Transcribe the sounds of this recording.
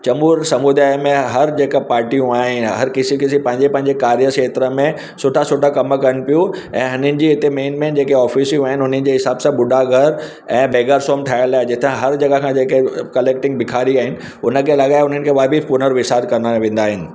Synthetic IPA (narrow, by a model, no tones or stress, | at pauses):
t͡ɕɐmuːɾsɐmud̪aːjmẽɦɐɾd͡ʑeːkəpaːɾʈijũaːɦɪnɦɐɾkɪsikɪsipɐ̃ɦɪ̃ɲd͡ʑepɐ̃ɦɪ̃ɲd͡ʑekaːɾijəʃeːt̪ɾəmẽ | sʊʈʰasʊʈʰakɐmkɐɾəɽ̃ɪ̆pijũ | ɛ̰̃ːɦʊnənɪ̆d͡ʑiːɪt̪emeːnmẽnd͡ʑeːkeɔːfiːsijũaːɦɪnɪʊn̤ənɪ̆d͡ʑeɦɪsaːbsãɓʊɖʱaɡʱɐɾ | ɛ̃ːbeːɡaɾsoːmʈʰaːɪlaːed͡ʑɪt̪ʰãɦɐɾd͡ʑɐɡakʰãd͡ʑeːkekɐleːkʈɪ̃ŋɡ̚bɪkʰaːɾiaːɦɪnɪ̆ | ʊnə̆kʰeːlɐɠaːeʊn̤ənɪ̆kʰeːʋaːbipʊnəɾʋɪsaːd̪̚kɐnaʋẽːnd̪aːɦɪnɪ̆